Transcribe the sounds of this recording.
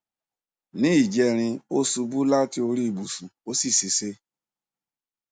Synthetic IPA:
nĩ˦i˦˨d͡ʒɛ˧ɾ̃ĩ˧o˦su˧bu˦la˦ti˦o˧ɾi˦˧˨bu˨su˨o˦si˦˨si˧se˦

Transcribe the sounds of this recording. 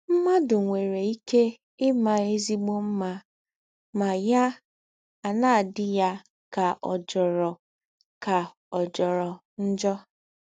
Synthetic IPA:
m̩˦ma˦dʊ˨ŋʷe˨ɾe˨i˦ke˦ | ɪ˦ma˦e˦zi˦ɡ͡bo˦m̩˦ma˦ | ma˨ja˦ | a˨na˦a˨dɪ˦ja˦ | ka˨ʔɔ˨d͡ʒɔ˨ɾɔ˨ | ka˨ | ɔ˨d͡ʒɔ˨ɾɔ˨ | n̩˦d͡ʒɔ˦

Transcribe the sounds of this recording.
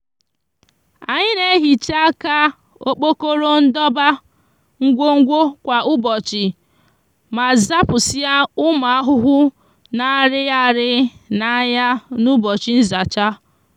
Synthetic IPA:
a˨ɲɪ˦ne˦ɦi˨t͡ʃa˦ka˦ | o˨k͡po˦ko˦ɾo˦n̩˦dɔ˦ba˦ | ŋ̩˦ɡʷo˦ŋ̩˦ɡʷo˦kʷa˨ʊ˦bɔ˨t͡ʃɪ˨ | ma˨za˦pʊ˨si˦a˦ʊ˦ma˨a˦ɦʊ˦ɦʊ˦ | na˨ɾɪ˦ja˦ɾɪ˦na˨ja˦nu˦bɔ˨t͡ʃɪ˦n̩˦za˨t͡ʃa˦

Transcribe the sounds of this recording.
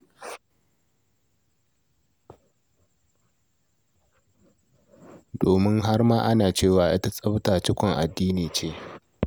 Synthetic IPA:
doː˨mɪ˦ŋɦa˦rmaː˦ʔa˦naː˨t͡ʃeː˦˨waː˨ʔa̰˦ta˦sʼɐ˦btaː˨t͡ʃɪ˦kʷɔ˨ŋʔa˨dːiː˦niː˨t͡ʃeː˦˨

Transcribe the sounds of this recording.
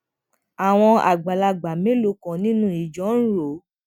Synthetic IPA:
a˨w̃ɔ̃˧a̰˨ɡ͡ba˨la˧ɡ͡ba˨mẽ˨˦lo˧˦kɔ̃˨nĩ˦nũ˦˨i˨d͡ʒɔ̃˨˦n̩˦ɾo˨˦

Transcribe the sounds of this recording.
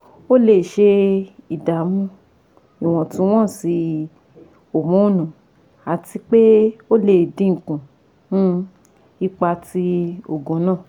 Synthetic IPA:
o˦le˨ʃe˧i˨da˨mũ˦ | i˨w̃ɔ̃˨tũ˧˦w̃ɔ̃˦˨si˧ | o˨mũ˨˦˨nũ˨ | a˨ti˧k͡pe˦o˦le˨dĩ˦ŋ̩˨kũ˨ | nũ˦ | i˦k͡pa˧ti˧o˨ɡõ˨˦nãː˦˨

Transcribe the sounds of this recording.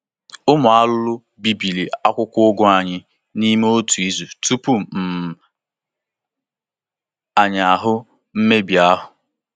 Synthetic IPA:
ʊ˦mʊ˨a˦lʊ˦lʊ˦ | bi˦bi˨li˨a˦kʷʊ˦kʷʊ˦ʊ˦ɡʊ˦a˨ɲɪ˦ | ni˦me˦o˦tu˨i˦zu˨tu˦pu˦m̩˨ | a˨ɲa˨ɦʊ˦ | m̩˦me˦bi˨a˦ɦʊ˨

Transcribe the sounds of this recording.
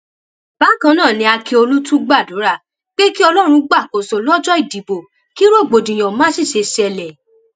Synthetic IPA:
ba˨˦kã˧˦nãː˦˨nĩ˧˦a˧ke˧o˧lu˦tũ˦ɡ͡ba˦˨dũ˨˦ɾa˦˨ | k͡pe˦ki˦ɔ˧lɔ˦ɾ̃ũ˧ɡ͡ba˦˨ko˨sɔ˨lɔ˦d͡ʒɔ˦i˦˨di˨bo˨ | ki˦ɾo˦˨ɡ͡bo˨dĩ˨j̃ã˨mãː˨˦si˦˨ʃe˧sɛ˧lɛ˨

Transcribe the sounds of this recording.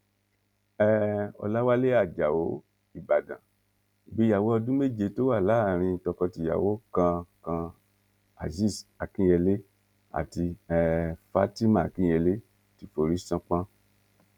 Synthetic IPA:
ɛ˦ɔ̰˧la˦wa˦le˦a˦˨d͡ʒa˨o˨˦ | i˨ba˨dã̰˨ | i˨bi˨˦ja˨wo˦ɔ˧dũ˦me˦˨d͡ʒe˧to˦wa˦˨la˨˦˨ɾ̃ĩ˧tɔ˧kɔ˧ti˧ja̰˨wo˨˦kã˧kã˧ | a̰˨zi˦˨sa˨kĩ˦ɛ˧le˦ | a̰˨ti˧ɛ˦˧fa˦ti˦mã˦˨kĩ˦jɛ˧le˦ | ti˧fo˧ɾi˦sã˧k͡pã˦

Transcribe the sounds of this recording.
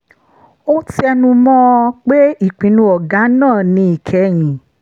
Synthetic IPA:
o˦ti˦ɛ˧nũ˧mɔ̃˧k͡pe˦i˦˨k͡pĩ˨˦nũ˧˦ɔ˨ɡa˨˦nãː˦˨nĩ˧i˨kʰɛ˨˦j̃ĩ˨

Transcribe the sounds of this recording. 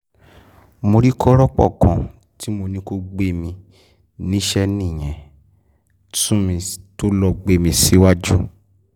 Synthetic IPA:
mo˧ɾi˦kʰɔ˦ɾɔ˦k͡pɔ̰˦˨kã˨ | ti˨˦mo˧nĩ˧ko˧ɡ͡be˦mĩ˧ | nĩ˦ʃɛ˦nĩ˦˨j̃ɛ̃˨ | tũ˦mĩ˧to˦lɔ˧ɡ͡be˦mĩ˧si˨˦wa˦d͡ʒu˦

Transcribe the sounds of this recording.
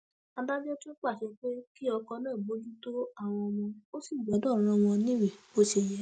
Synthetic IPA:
a˧da˦d͡ʒɛ˦to˦k͡pa˦˨ʃɛ˧k͡pe˦ki˦ɔ˧kɔ̃˧nãː˦˨bo˦d͡ʒu˦to˦a˦˨w̃ɔ̃˧wɔ̃˧o˦si˦˨ɡ͡bɔ˨˦dɔ˦˨ɾ̃ã˧w̃ɔ̃˧nĩ˦wi˨bo˦ʃe˧jɛ˨˦

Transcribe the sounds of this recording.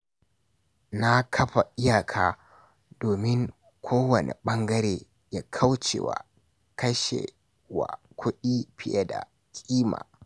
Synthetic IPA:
na˦kʰɐ˦ɸa˨ʔɪ˦jaː˨kʰaː˦ | doː˨mɪ˦ŋ | kʷʰoː˦wɐ˨nʔḛ˨ɓɐ˦ŋɡɐ˦ɾeː˨ | ja˦kʰɐ˦wt͡ʃḛː˨wa̰˨ | kɐ˦ʃḛ˨ | wa̰˨kʷʰʊ˦ɗi˦ɸɪ˦ja˦da̰˨ | kʲʼiː˦ma̰ː˨

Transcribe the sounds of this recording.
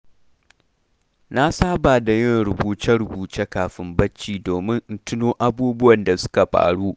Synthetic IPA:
na˦saː˦baː˨da˨jɪ˦˨ŋɾʊ˨buː˨t͡ʃɐ˦ɽʊ˨buː˨t͡ʃe˦kaː˨ɸɪ˦mbɐ˦t͡ʃːiː˨doː˨mɪ˦ŋʔtʊ˦noː˦ʔa˦buː˦bʊ˦wɐ˨nda˨sʊ̥˦ka˨ɸa̰ː˨ɽuː˦ʔ

